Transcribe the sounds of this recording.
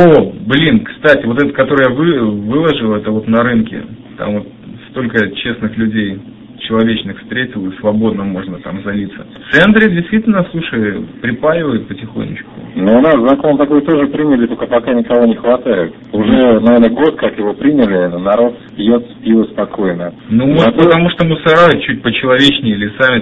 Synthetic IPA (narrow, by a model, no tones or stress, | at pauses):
oblʲinkst̪atʲɪvo̞t̪ɛt̪əkɐt̪o̞ɾɨjavɨvɨlˠəʐɨlˠɛt̪əvo̞t̪nɐɾɨnkʲɪ̰t̪a̰mvot̪̚st̪o̞lʲkət͡ɕe̞snɨxlʲʉdʲej | t͡ɕɪlˠɐvʲet͡ɕnɨxfst̪ɾʲetʲɪlˠɨsvɐbo̞d̪nəmo̞ʐnət̪amzɐlʲit̪sːət̪sɛnt̪ɾʲɪdʲɪst̪vʲitʲɪlʲnəslˠuʂəjpɾʲɪpalʲɪvəjʊt̪̚pətʲɪxo̰nʲːɪ̰t͡ɕkʊ̰noʊnaszɐkont̪ɐko̞jt̪o̞ʐɨpɾʲinʲɪlʲɪt̪okəpɐkanʲɪkɐvo̞nʲɪxvɐt̪ajɪt̪̚ | ʊʐɛnɐvʲernəɡo̞t̪kakjɪvo̞pɾʲinʲɪlʲɪnɐɾo̞t̪spʲjot̪spʲilˠəspɐko̞jnə | numopət̪ɐmuʂt̪omʊsɐɾajʊt͡ɕːut̚ʲpət͡ɕɪlˠɐvʲet͡ɕnʲɪlʲɪsamʲɪ